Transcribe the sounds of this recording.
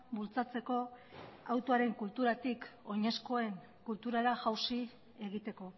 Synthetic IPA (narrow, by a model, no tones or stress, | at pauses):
bult͡sat͡se̞ko̞awt̪oaɾe̞ŋkult̪uɾat̪iko̞ɲe̞sko̞e̞ŋ | kult̪uɾaɾaʝawsi | e̞ɣ̞it̪e̞ko̞